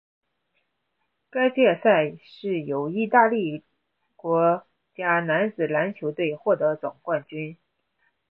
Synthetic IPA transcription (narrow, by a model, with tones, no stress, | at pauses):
ka˥ɪt͡ɕjɛ˥˧sa˥˩ɪʂɻ̩˥˩jo˨˩ʊi˥˧t̪a˥˧li˥˩ | kwɔ˧˥ | t͡ɕja˥na˧˥nt͡sɹ̩˨˩la˧˥nt͡ɕʰjo˧˥ʊt̪we˥˧ɪxwɔ˥˩t̪ɤ˧˥t͡swɑ˨˩ŋkwa˥˩nt͡ɕy˥n